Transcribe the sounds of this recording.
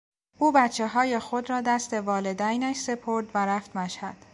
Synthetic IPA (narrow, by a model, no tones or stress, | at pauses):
ʔuːbæt̪t͡ʃʰːe̞ɦɒːje̞xo̞d̪ɾɒːd̪æst̪e̞vɒːle̞d̪æjnæʃse̞pʰoɾd̪væɾæft̪mæʃhæd̪̥